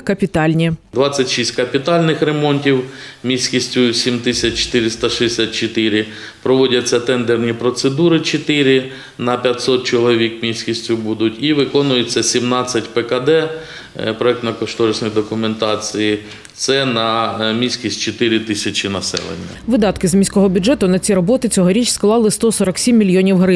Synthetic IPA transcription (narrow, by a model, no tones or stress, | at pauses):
kɐpʲit̪ɑlʲnʲid̪ʋɑt͡sʲːɐtʲʃisʲt̚ʲkɐpʲit̪ɑlʲnɪxɾe̞mɔnʲtʲiwmʲisʲkʲisʲtʲʊsʲimt̪ɪsʲɐtt͡ʃe̥t̪ɪɾʲɪst̪ɐʃesʲat̪̚t͡ʃet̪ɪɾʲɪ | pɾɔʋɔdʲɐt͡sʲːɐt̪ɛnd̪ernʲipɾɔt̪sed̪uɾɪt͡ʃet̪ɪɾʲɪ | nɐpʲjɐtʲsɔt̪̚t͡ʃɔlˠɔʋʲikmʲisʲkʲisʲtʲʊbud̪ʊtʲiʋɪkɔnʊjet͡sʲːɐsʲimnɑt͡sʲːɐtʲpɛkɐd̪ɛ | pɾɔɛk̚t̪nɐkɔʃt̪ɔɾɪsʲnɔjd̪ɔkʊment̪ɑt͡sʲiji | t̪sɛnɐmʲisʲkʲisʲtʲt͡ʃet̪ɪɾʲɪt̪ɪsʲɐt͡ʃinɐsɛ̰lˠḛnʲːɐ̰ʋɪd̪ɑt̪kɪzmʲisʲkɔɦɔbʲʊʐɛt̪ʊnɐt͡sʲiɾɔbɔt̪ɪt͡sʲɔɦɔɾʲit͡ʃʲsklˠɑlˠɪst̪ɔsɔɾɐksʲimʲːilʲjɔnʲiwɦɾɪ